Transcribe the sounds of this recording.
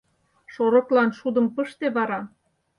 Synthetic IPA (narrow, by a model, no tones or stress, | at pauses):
ʃoɾŏklɑnʃud̪ə̆mpəʃt̪eβɑɾɑ